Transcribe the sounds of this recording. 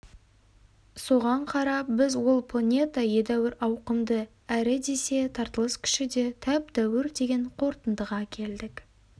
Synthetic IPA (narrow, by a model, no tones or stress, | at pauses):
so̞ʁɑɴqʰɑɾɑp̚bɪzwo̞lˠpʰlˠanʲe̞t̪aje̞d̪æwɪɾɑwqəmd̪ə | æɾɪd̪e̞se̞t̪ʰɑɾt̪əlˠəskʲʰɪ̥ʃɪd̪e̞t̪ʰæp̚d̪̥æwɪɾd̪e̞ɡʲe̞ɴqʰo̞ɾt̪ənd̪əʁɑkʲʰe̞ld̪ɪk